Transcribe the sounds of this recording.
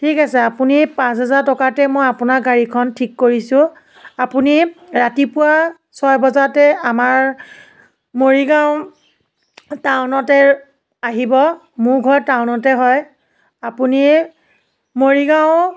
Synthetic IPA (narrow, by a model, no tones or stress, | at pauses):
tʰikasɛapunipãs̬ɦɛzatɔkatɛmɔjapunaɡaɹikʰɔntʰikːoɹisʊ̃ | apuniɹatipʊwa | sɔjbɔzatɛamaɹ | moɹiɡãʊ̃ | tawnɔtɛ | aɦibɔ | mʊɹɡʱɔɹtaʊnɔtɛɦɔj | apuni | moɹiɡaʊ̃